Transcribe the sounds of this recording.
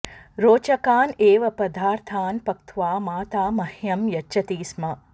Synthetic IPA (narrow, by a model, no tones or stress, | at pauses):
ɾoːt͡ʃɐkaːneːʋɐpɐd̪ʱaːɾt̪ʰaːnpɐkt̪ʰʋaːmaːt̪aːmɐhjɐmjɐt͡ʃːt͡ʃɐt̪iːsmɐ